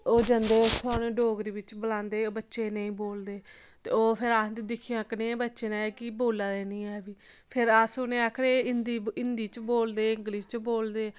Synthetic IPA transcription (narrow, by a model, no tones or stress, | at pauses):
oːd͡ʒənd̪eːosʰaːneːɖoːɡɾiːʋɪt͡ʃbəlãːnd̪eːoːbətːʃeːnəĩːboːld̪eː | t̪ḛːoːpʰɪɾaːsd̪id̪ɪkʰːijãːknẽːbətːʃeːnaːeːkɪboːlaːd̪eːnĩːɛːʋiːpʰɪɾəːsʊnẽːaːkʰɽeːɪnd̪iːɪnd̪iːt͡ʃboːld̪eːɪ̃ŋɡlist͡ʃboːld̪eː